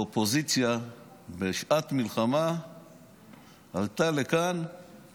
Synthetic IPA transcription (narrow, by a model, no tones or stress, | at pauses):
opozit͡sja | beʃat̪milχama | halt̪alekan